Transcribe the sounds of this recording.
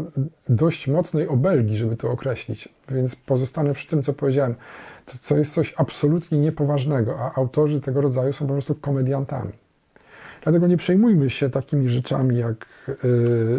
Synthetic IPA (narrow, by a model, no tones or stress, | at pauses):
d̪ɔɕt͡ɕmɔt̪snɛjɔbɛlɡʲiʐɛbɘt̪ɔːkɾɛɕlʲit͡ɕ | vʲjɛnt̪spɔzɔst̪anɛpʂɘ̥t̪ɘmt̪ɔpɔvʲed͡ʑawɛmt̪ɔt̪t̪ɔjɛst̪sɔɕapsɔlut̪ɲɛɲɛpɔvaʐnɛɡɔʔaʔawt̪ɔʐɘt̪ɛɡɔɾɔd̪zajusɔ̃w̃p̬ɔpɾɔst̪ukɔmɛd̪jant̪a̰mʲi | d̪lat̪ɛɡɔɲɛpʂɛjmujmɘɕɛt̪akʲimʲiʐɛt͡ʂa̰mʲijak